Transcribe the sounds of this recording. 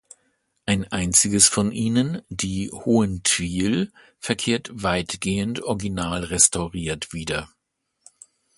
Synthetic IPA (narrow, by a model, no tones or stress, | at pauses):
ʔaɪnʔaɪnt͡sɪɡəsfɔnʔiːnəndiːhoːəntʰv̥iːl | fɛɐkʰeːɐtv̥aɪtɡ̥eːəntɔɐɡinaːlʁɛstʰaʊʁiːɐtv̥iːdɐ